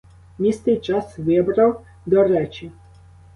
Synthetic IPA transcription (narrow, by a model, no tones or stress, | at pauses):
nʲist̪ɪjt͡ʃasʋɪbɾɐw | d̪ɔɾɛt͡ʃi